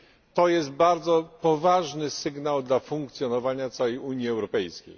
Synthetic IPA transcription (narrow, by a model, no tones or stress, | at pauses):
t̪ɔjɛst̪̚baɾd̪zɔpɔvaʐnɘsɘɡnawd̪lafuŋkt̪sʲjɔnɔvaɲat̪sawɛjuɲjiɛwɾɔpɛjskʲḛj